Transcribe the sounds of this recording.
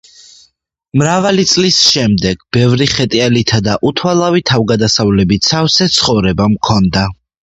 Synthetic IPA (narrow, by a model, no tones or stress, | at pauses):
mɾavalit̪sʼlisʃɛmd̪ɛɡ̥bɛvɾiχɛt̪ʼialit̪ʰad̪aʔut̪ʰwalˠavit̪ʰavɡad̪asavlɛbit̪sʰafsɛt̪sʰχɔvɾɛbamkʰɔnd̪a